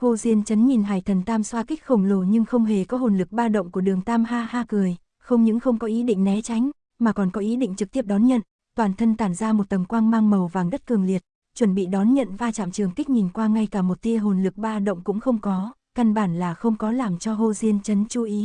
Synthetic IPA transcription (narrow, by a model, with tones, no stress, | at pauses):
ho˧zi˧ənt͡ɕə˨˦nɲi˨˩nɦaː˨˩jt̪ʰə˨˩nt̪aː˧mswaː˧ki˦˥k̟̚xə˨˩wŋ͡mlo˧˩ɲɨ˧ŋxə˧wŋ͡mɦe˨˩kɔ˨˦ɦo˨˩nlɨ˨˩k̚ɓaː˧ɗə̰˧˨wŋ͡mku˧˩ɗɨ˨˩əŋt̪aː˧mɦaː˧haː˧kɨ˨˩əj | xə˧wŋ͡mɲɨ̰˧˥ŋxə˧wŋ͡mkɔ˨˦ʔi˨˦ɗḭ̈˧˨ŋ̟nɛ˨˦t͡ɕa˨˦ŋ̟ | maː˨˩kɔ˨˩nkɔ˨˦ʔi˨˦ɗḭ˧˨ŋ̟t͡ɕɨ˨˩k̚t̪i˦˥əp̚ɗɔ˨˦nɲə̰˧˨n | t̪waː˨˩nt̪ʰə˧nt̪aː˧˩nzaː˧mo˨˩t̚t̪ə˨˩mkwaː˧ŋmaː˧ŋmə˨˩wvaː˨˩ŋɗə˦˥t̚kɨ˨˩əŋli˨˩ət̚ | t͡ɕwə˧˩nɓḭ˧˨ɗɔ˨˦nɲə̰˧˨nvaː˧t͡ɕa̰ː˧˨mt͡ɕɨ˨˩əŋki˦˥k̟̚ɲi˨˩nkwaː˧ŋa˧jkaː˧˩mo˨˩t̚t̪i˧əɦo˨˩nlɨ˨˩k̚ɓaː˧ɗə̰˧˨wŋ͡mkʊ̰˧˥ŋ͡mxə˧wŋ͡mkɔ˨˦ | ka˧nɓaː˧˩nlaː˨˩xə˧wŋ͡mkɔ˨˦laː˨˩mt͡ɕɔ˧ɦo˧zi˧ənt͡ɕə˨˦nt͡ɕu˨˧˦ʔi˨˦